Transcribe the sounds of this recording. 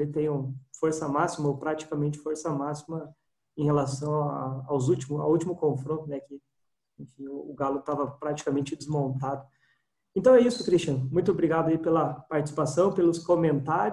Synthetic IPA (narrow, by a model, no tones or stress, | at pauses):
ɪt̪ẽj̃ʊ̃foɾsɐmasimɐopɾat͡ʃi̥kamẽnt͡ʃɪ̥foɾsɐmasimɐ | ẽj̃helasɐ̃w̃aawzut͡ʃimʊa̰wut͡ʃimʊkõfɾõnt̪ʊnɛkɪ | ẽfĩʊːɡalʊt̪avɐpɾat͡ʃi̥kamẽnt͡ʃɪd͡ʒ̪ɪzmõnt̪ad̪ʊ | ẽt̪ɐ̃w̃ɛisʊkɾist͡ʃɐ̃nʊmũj̃t̪ʊobɾiɡad̪ʊɐipelɐpaɾt͡ʃɪ̥si̥pasɐ̃w̃pelʊskomẽnt̪aɾ